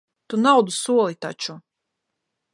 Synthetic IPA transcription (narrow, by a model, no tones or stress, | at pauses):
t̪unawd̪usuɔlˠit̪a̰t͡ʃu